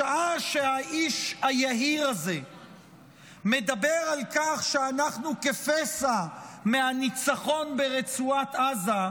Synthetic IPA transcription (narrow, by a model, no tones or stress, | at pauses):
aaʃe̞haʔiʃajaɦiʁaze̞ | med̪abeʁalkaχʃeanaχnukefesameanit͡saχo̞nbe̞ʁet͡suat̪aza